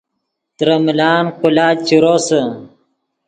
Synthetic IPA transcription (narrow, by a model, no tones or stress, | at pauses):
t̪ɾɐmilaːnqulaːt͡ɕiɾosə